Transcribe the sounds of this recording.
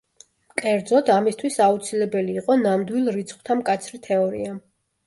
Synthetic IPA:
kʼɛɾd̪zɔd̪amist̪ʰwisaut̪sʰilɛbɛliːqʼɔnamd̪wilˠɾit̪sʰχwt̪ʰamkʼat̪sʰɾit̪ʰɛɔɾḭa

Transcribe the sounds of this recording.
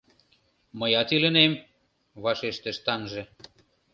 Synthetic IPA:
məjɑt̪ilə̆nem | βɑʃeʃt̪ĕʃt̪ɑnʒĕ

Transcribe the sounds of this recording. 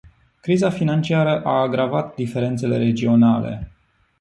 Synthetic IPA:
kɾizafinant͡ʃiaɾəʔaːɡɾavat̪d̪ife̞ɾe̞nt̪se̞le̞̰ɾe̞d͡ʒio̞nalḛ

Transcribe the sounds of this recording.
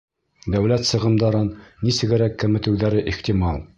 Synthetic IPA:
d̪æwlæt̪sɤ̆ʁɤ̆md̪ɑɾɤnːisɘ̆ɡɘ̆ɾækːɘ̆mɘ̆t̪ɘ̆wðæɾɘʔiχt̪imɑlˠ

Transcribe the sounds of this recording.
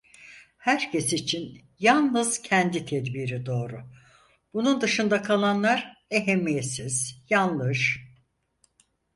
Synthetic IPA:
hæɾcʰesit͡ʃʰin | jalˠnɯz̥cʰɛnd̪it̪ʰɛd̪biɾid̪o̞ːɾʊ | b̥unund̪ɯʃɯnd̪akʰalˠanlˠaɾe̞ɦemːijet̪siz̥janlˠɯʒ

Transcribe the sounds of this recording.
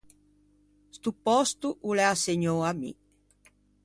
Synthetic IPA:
st̪upɔst̪uʔulɛaseɲoamḭ

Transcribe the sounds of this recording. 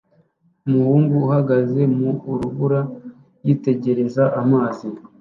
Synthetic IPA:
muhuːŋɡuːhaɡaze̞muːɾuβuɾa | ɾjiːte̞ɟe̞ɾe̞zaʔamaːzi

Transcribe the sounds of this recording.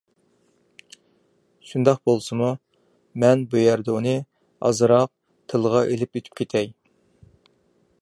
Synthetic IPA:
ʃund̪ɑq̚bolˠsɨmu | mɛnbujæɾd̪ɛunɨ | ɑ̰zɨɾɑq̚ | t̪ʰɨlˠʁɑʔelɪpøt̪ʰy̥pʲkʲʰet̪ʰɛj

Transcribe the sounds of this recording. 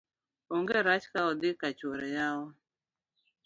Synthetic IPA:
ɔŋɡeɾat͡ʃkaɔd̪ɪkat͡ʃwɔɾɛjaɔ

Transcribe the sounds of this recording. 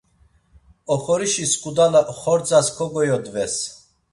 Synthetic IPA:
ɔχɔɾiʃiskʼud̪alaχɔɾt͡sʼaskʰɔɡɔjɔd̪vɛs

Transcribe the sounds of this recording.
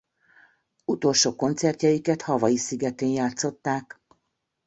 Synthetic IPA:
ut̪o̞lʃoːko̞nt̪sɛrt̪jɛjikɛt̪hɒvɒjisiɡɛt̪eːnjaːt̪so̞t̪ːaːk

